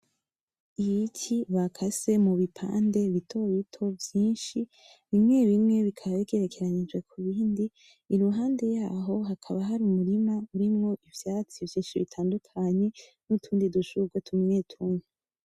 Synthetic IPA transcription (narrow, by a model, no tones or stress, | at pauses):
ijicʰiβakʰase̞muβipʰa̰ːnde̞βitʰo̞βitʰo̞vjiːnʃi | βimŋe̞βimŋe̞βikʰaβaβiɡeɾekʰe̞ɾaɲid͡ʒwe̞kʰuβiːndiː | ɾuɦaːnde̞jaːɦo̞ɦakʰaβaɦaɾumuɾimauɾimŋo̞ʔivjaːt͡sivjĩːnʃiβḭtʰaːndukʰaɲe̞nutʰuːndiduʃuɡwetʰumŋeːtʰunu